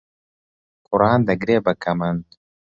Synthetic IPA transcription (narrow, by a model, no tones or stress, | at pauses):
kʰʊɾɑːnd̪ɐɡɾeːbɐkʰɐmɐnd̪